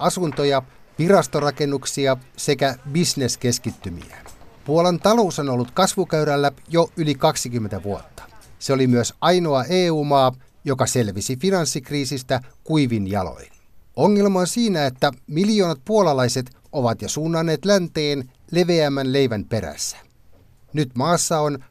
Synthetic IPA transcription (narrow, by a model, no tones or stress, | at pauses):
ɑsunt̪ojɑ | ʋirɑst̪orɑkenːuksiɑse̞kæbisneske̞skit̪ːymḭæpuolɑnt̪ɑlo̞usonolːut̪kɑsʋukøyɾælːæjoylikɑksik̟ymːent̪æʋuot̪ːɑ̥seolimyøsɑjnoɑʔeːuːmɑː | jokɑse̞lʋisifinɑnsːikriːsist̪ækuiʋinjɑ̰lo̰in | oŋːe̞lmɑonsiːnæet̪ːæmiljoːnɑt̪̚puolɑlɑjse̞t̪ | oʋɑt̪jɑsuːnːɑnːeːt̪lænt̪eːnle̞ʋeæmːænle̞iʋænpe̞ɾæ̰sːæ̥ | nyt̪mɑːsːɑon